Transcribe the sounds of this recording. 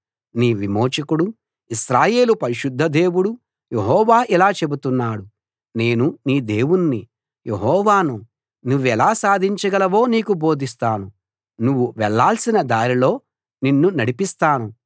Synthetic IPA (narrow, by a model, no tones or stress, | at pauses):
niːʋimo̞ːt͡ʃɐkuɽu | isɾaːje̞ːlupɐɾiʃud̪ʱːɐd̪e̞ːwuɽu | je̞ɦɔːʋaːʔilaːt͡ʃe̞but̪unːaːɽu | ne̞ːnuniːd̪e̞ːwunːi | jʔe̞ɦɔːʋaːnu | nuʋːɛlaːsaːd̪ʱiɲt͡ʃɐɡɐlɐʋo̞ːniːkubo̞ːd̪ʱist̪aːnu | nuʋːuʋɛɭːaːlsinɐd̪aːɾilo̞ː | ninːunɐɽipist̪aːnu